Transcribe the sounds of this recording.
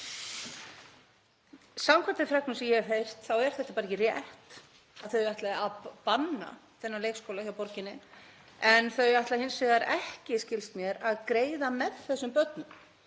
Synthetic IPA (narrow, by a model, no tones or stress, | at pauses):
samkʰaɾt̪ɪfɾɛk̚nʏsɛmjɛɛɾɦejr̥t̪θawɛɾ̥θɛht̪apaɾɪcɪrjɛht̪ | aθœɥjaht̪laɪapanːa̰θɛnːaleːjkskowlaçawpɔɾcɪnːɪ | ɛnθœɥaht̪lahɪnsvɪɣðaɾɛhcɪscɪlst̪mjɛɾaðkɾeːjðamɛðθɛsːʏmpœt̪nʏm